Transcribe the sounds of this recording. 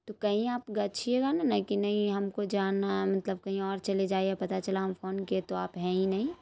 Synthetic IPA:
tt̪okɐɦĩaːpɡɐt͡ʃʰieɡananakinɐɦĩɦɐmkod͡ʒaːnːamɐt̪ləb̚kɐɦĩɔːɾt͡ʃɐled͡ʒaːiepɐt̪at͡ʃɐlaɦɐmfʰoːnket̪oaːpɦɛ̃ːĩnɐɦĩ

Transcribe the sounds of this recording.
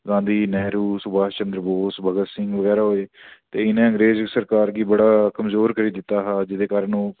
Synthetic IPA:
ɡãːnd̪iːnɛːɾuːsʊbaːt͡ʃənd̪ɾəboːsbʱəɡət̪sɪ̃ŋɡʋəɡɛːɾaːɦoːeːt̪eːɪnẽːə̃ŋɡɾeːzəksəɾkaːɾɡiːbəɽaːkəmzoːɾkəɾiːd̪ɪt̪ːaːɦaːd͡ʒɪd̪eːkaːɾənũː

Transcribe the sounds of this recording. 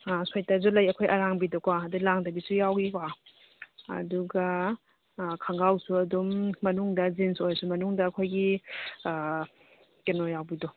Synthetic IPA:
asojtazulɐjɐkʰojʔɐɾaŋbidɔkwaːdulaŋdɐbisujawɡikwa | ɐ̰duɡɐ | kʰaŋɡawsuɐdumːɐnuŋdɐzinsojsumɐnuŋdɐːkʰojɡi | kenɔjawbidɔ

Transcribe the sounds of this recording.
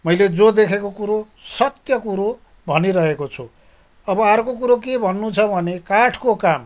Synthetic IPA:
mʌjled͡zod̪ekʰekokuɾo | sʌt̪jʌkuɾo | bʱʌniɾʌɦekot͡sʰu | ʌbʌaɾkok̬uɾok̬ebʱʌnːut͡sʰʌbʱʌnekaʈʰkokam

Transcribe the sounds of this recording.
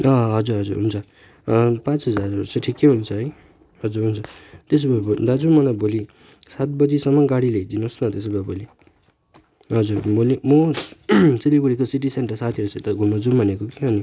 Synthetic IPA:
ʌɦʌd͡zuɾɦʌd͡zuɾɦunt͡sʰʌ | pãt͡sɦʌd͡zarseʈʰikːeɦunt͡sʰʌɦʌj | ɦʌd͡zuɾɦunt͡sʰʌt̪es̬babod̪ad͡zumanaboli | sat̪̚bʌd͡zisʌmːʌɡaɽiled͡zinosnʌt̪es̬ebaboli | ɦʌd͡zuɾbolimo | t͡silibuɽikosiʈ̬iseɳʈʌrsat̪ʰijʌɾosʰʌt̪ʌɡʱumʌd͡zumanekokiɦʌni

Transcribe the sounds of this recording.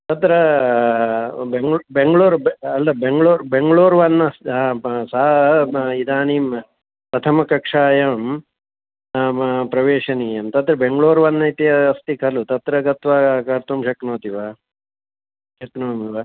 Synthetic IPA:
t̪ɐt̪ɾɐ | beŋɡɭbeŋɡɭoːɾbɐlːɐbeŋɡɭoːɾbeŋɡɭoːɾʋɐnːɐsãsa | id̪aːniːm | pɾɐt̪ʰɐmɐkɐkʂaːjɐm | pɾɐʋeːʂɐniːjɐmt̪ɐt̪ɾɐbeŋɡɭoːɾʋɐnːɐit̪iɐːst̪ikʰɐlut̪ɐt̪ɾɐɡɐt̪ʋaːkɐɾt̪umʃɐknoːt̪iʋa | ʃɐknoːmiʋa

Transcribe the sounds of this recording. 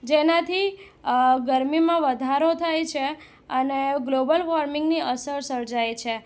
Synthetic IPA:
d͡ʒenat̪ʰi | ɡəɾmimãʋəd̪ʱaɾot̪ʰajt͡ʃʰe | əneɡlobəlʋaɾmɪŋɡniʔəsəɾsəɾd͡ʒajt͡ʃʰe

